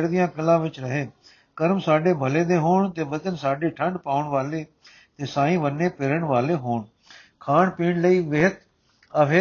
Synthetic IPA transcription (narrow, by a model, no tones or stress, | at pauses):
ɾd̪ɪjãːkəlãːʋɪt͡ʃɾəɦeː | kəɾmsaːɖeːbʱəleːd̪eːɦoːɳt̪eːbət̪ənsaːɖeːʈʰəɳɖpaːʊəɳʋaːleː | t̪eːsãːĩːʋənːeːpɪɾəɳʋaːleːɦoːɳ | kʰaːɳpiːɳləiːʋɪɦət̪ | əʋe